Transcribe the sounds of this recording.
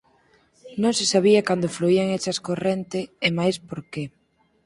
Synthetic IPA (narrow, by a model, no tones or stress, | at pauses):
nõŋsɪsaβ̞iɐkand̪ofluiaŋet͡ʃɐskorent̪ɪːmajspoɾke